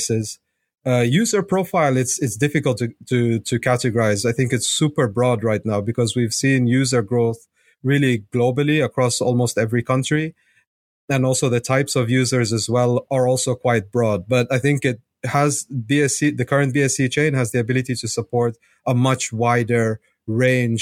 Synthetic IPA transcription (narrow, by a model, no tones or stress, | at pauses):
sɪz̥ | ʌjʉzə˞pʰɹ̥oʊfaɪlˠɪtsɨtsd̥ɪfɨkəl̩ˠtɨtʰɨtʰɨkʰæɾɨɡə˞aɪzaɪθɪ̃ŋkɨtsupə˞bɹɔd̚ɹaɪtⁿnaʊbɨkʰʌzwiv̥sĩnjʉzə˞ɡɹoʊθ | ɹɪlˠiɡloʊbl̩ˠiɨkʰɹ̥ɔsɔlˠmoʊstɛvɹikʰʌ̃nt͡ʃɹ̥i | ɨ̃nɔlˠsoʊðɨtʰaɪpsʌvjʉzə˞zɨzwɛlˠə˞ɔlˠsoʊkʰw̥aɪt̚b̥ɹɔd̚bʌɾaɪθɪ̃ŋkɪt̚ | həzbiɛsiðɨkʰʌ˞ɨ̃nb̥iɛsit͡ʃʰẽɪ̃nɨzðiɨbɪlˠɨɾiɾɨsəpʰɔɹɾ | əmʌt͡ʃwaɪdə˞ | ɹẽɪ̃nd͡ʒ